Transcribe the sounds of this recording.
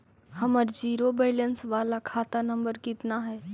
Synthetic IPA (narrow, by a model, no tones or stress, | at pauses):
həməɾd͡ʒiːɾobɛɪlənsʋaːlakʰaːt̪anəmbəɾkɪt̪naɦɛː